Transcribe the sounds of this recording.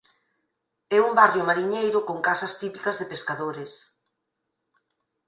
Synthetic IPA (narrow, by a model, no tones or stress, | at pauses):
ɛumbarjomaɾiɲejɾʊkoŋkasɐst̪ipikɐzðepeskaðoɾes